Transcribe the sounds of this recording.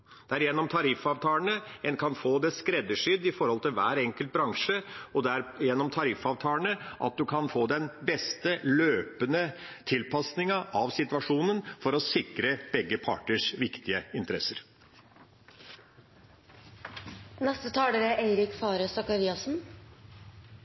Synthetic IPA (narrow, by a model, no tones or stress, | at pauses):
d̪̥ɛæɾjɛnːɔmt̪ʰɑɾɪfɑːʋt̪ʰɑːləɳəɛnkʰɑnfoːd̪ɛskɾɛd̪ːəʂʏd̪ːɪfɔɾhɔlt̪ɪlʋæːɾɛŋkəlt̪̚bɾɑŋʂəɔd̪ɛæɾjɛnːɔmt̪ʰɑɾɪfɑːʋt̪ʰɑːəɳəʔɑ̰t̪̚d̪ʉkʰɑnfoːd̪ɛnbɛst̪əløːpənət̪ʰɪlpɑsnɪŋəʔɑʋsɪt̪ʋɑʂuːnənfɔɾɔsɪkɾəb̥ɛɡːəpʰɑ̰ːʈəʂʋɪkt̪ɪəɪnt̪əɾɛ̰səɾ | nɛst̪ət̪ʰɑːləɾəʔeɪɾɪkfɑːɾəsɑkɑɾiːɑsn̩